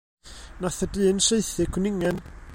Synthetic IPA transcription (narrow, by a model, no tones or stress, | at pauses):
naθədɨːnseɨθɪkʰʊnɪŋɛn